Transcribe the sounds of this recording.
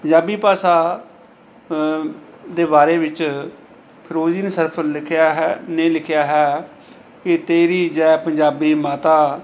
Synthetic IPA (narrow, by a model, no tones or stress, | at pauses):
pəɲd͡ʒaːbiːpaːsaː | d̪eːbaːɾeːʋɪt͡ʃ | pʰɪɾoːd͡ʒiːnsəɾpʰː | nẽːlɪkʰɪjaːɦɛː | kɪt̪eːɾiːd͡ʒɛpəɲd͡ʒaːbiːmaːt̪aː